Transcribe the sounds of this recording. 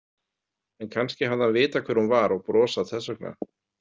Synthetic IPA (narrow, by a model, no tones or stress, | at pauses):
ɛnkʰanscɪɦaðanvɪːt̪akʰvɛɾ̥hunvaɾɔɣpɾɔːsaðθɛsœk̚na̰